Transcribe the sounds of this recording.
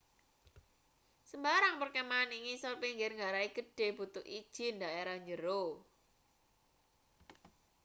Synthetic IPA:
səmbaɾaŋpərkɛmaːniŋisɔlpiŋɡɪrŋaɾaiɡ̥əɖ̥e̤b̥ut̪ʊkid̥ʒ̥ɪ̤ndaʔeɾahɲd͡ʒəɾo

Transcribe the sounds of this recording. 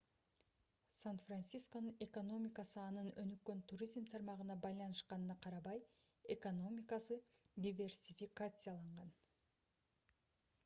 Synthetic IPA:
sanfransʲisko̞nɯne̞ko̞nomʲɪkɑsɯɑnɯnø̞nykːø̞nt̪ʰuɾʲizmt̪ʰɑɾmɑʁɯnɑbɑjlˠɑnɯʃqɑnɯnɑqʰɑɾɑβɑje̞ko̞no̞mʲɪkasɯ | d̪ʲivʲe̞rsʲifʲikat̪sɨjalˠɑɴʁɑn

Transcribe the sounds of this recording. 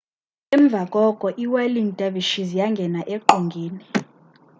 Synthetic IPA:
ɛmb̪vʱakʼɔkʼɔʔiwaliŋtʼaviʃizjaŋɡʱɛnaʔeǃoŋɡʱiːni

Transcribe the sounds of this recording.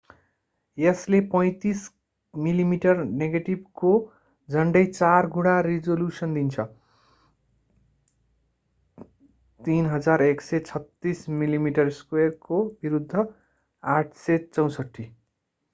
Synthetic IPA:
jeslepʌj̃t̪is | milimiʈʌrneɡeʈib̚ko | d͡zʱʌɳɖʌjt͡sarɡuɽarid͡zoljusʌnd̪int͡sʰʌ | t̪inɦʌd͡zareksʌt͡sʰʌt̪ːismilimiʈʌrskwerkobiɾud̪ʱːʌ | aʈʰsʌt͡sʌw̃sʌʈʰːi

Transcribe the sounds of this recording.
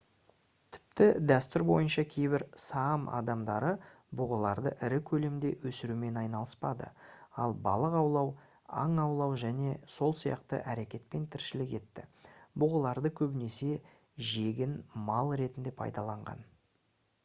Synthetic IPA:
t̪ʰɪ̥p̚t̪ɪd̪æst̪ʏɾbo̞̰jənʃɑkʲʰe̞jbɪɾsɑmɑ̰d̪ɑmd̪ɑɾə | bʊʁəlˠɑɾd̪ə̰ʔɪɾɪkʲʰɵle̞md̪e̞wɵsɪɾume̞nɑjnɑlˠəspɑd̪ə̰ɑlˠbɑ̰lˠəqɑwlˠɑw | ɑ̰ɴɑwlˠɑwʒæne̞so̞lˠsijɑ̰qt̪ə̰ʔæɾe̞kʲe̞t̪̚pe̞nt̪ʰɪɾʃɪlɪkʲe̞t̪ːɪbʊʁəlˠɑɾd̪əkʲʰɵbɪne̞se̞ | ʒe̞ɡʲɪnmɑlˠɾe̞t̪ɪnd̪e̞pʰɑ̰jd̪ɑlˠɑɴʁɑ̰n

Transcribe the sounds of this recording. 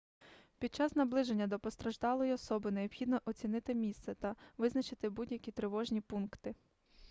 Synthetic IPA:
pʲid̪̚t͡ʃɑsnɐblˠɪʒenʲːɐd̪ɔpɔst̪ɾɐʒd̪ɑlˠɔjiɔsɔbɪneɔbxʲid̪nɔʔɔt͡sʲinɪt̪ɪmʲist̪sɛt̪ɐʋɪznɐt͡ʃɪt̪ɪbudʲjɐkʲit̪ɾeʋɔʒnʲipunkt̪ɪ

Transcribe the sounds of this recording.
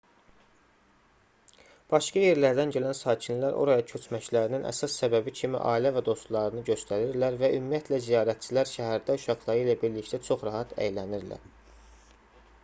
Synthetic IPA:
b̥ɑʃkɑje̞ɾlæɾd̪ænɟælænsɑːcʰinlæɾʔo̞̰ɾɑjɑcʰø̞t͡ʃʰmæclæɾininʔæ̰sɑsːæbæbicʰimḭʔɑ̰ːilævæd̪o̞st̪lˠɑɾɯnɯɟø̞st̪ʰæɾiɾlæɾvæʔymijæt̪ʰlæzijɑːɾæt̪̚t͡ʃʰilæɾʃæɦæɾd̪æuʃɑχlˠɑɾɯilæbiɾlict̪ʰæt͡ʃʰo̞χɾɑɦɑt̪ʰæ̰jlæniɾlæ̰ɾ̥

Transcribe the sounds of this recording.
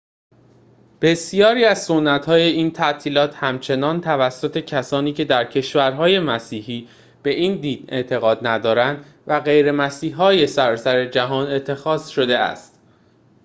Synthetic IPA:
b̥e̞sijɒːɾiːæzso̞nːæt̪hɒːje̞iːnt̪ʰæʔt̪ʰiːlɒːt̪ʰhæmt͡ʃʰe̞nɒːnt̪ʰævæsːot̪ʰe̞cʰæsɒːniːcʰe̞d̪æɾcʰe̞ʃvæɾɦɒːje̞mæsiːɦiː | b̥e̞ʔiːnd̪iːd̪̥e̞nt̪ʰe̞ɣɒːd̪̚næd̪ɒːɾænd̪ | væɣe̞jɾe̞mæsiːɦɒːje̞sæɾɒːsæɾe̞d͡ʒæɦɒːne̞t̪ʰːe̞xɒːz̥ʃo̞d̪e̞æ̰st̪

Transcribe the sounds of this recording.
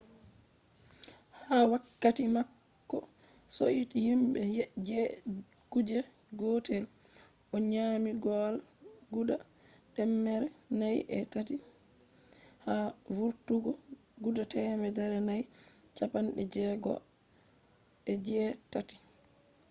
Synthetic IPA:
hawakːatimakː | ɔ | soʔitjimɓɛjd͡ʒɛ | ɡ̥ud͡ʒɛ | ɡotɛl | ʔɔɲaːmiɡɔlɡuda | ɗɛmːɛɾɛnajʔɛ̰tati | havuɾtuɡɔ | ɡudatɛmɛdɛɾɛnaj | t͡ʃapanɗɛd͡ʒɛɡɔ̰ | ɛd͡ʒɛtati̥

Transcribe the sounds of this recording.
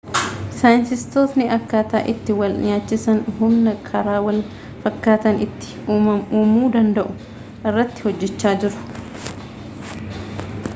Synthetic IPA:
saːjɪnsɪst̪oːt̪nɪɐkːaːt̪a̰ːʔɪt̪ːɪwɐlʔɪ̰ɲaːt͡ʃːɪsɐnhʊmnɐkʰɐɾaːwɐl | fɐkːaːt̪ɐnɪt̪ːɪ̥ɐmuːmuːd̪ɐnd̪ɐʔʊ | ʔɪrːɐt̪ːɪ̥hɔd͡ʒːɛt͡ʃːaːd͡ʒɪɾʊ̥

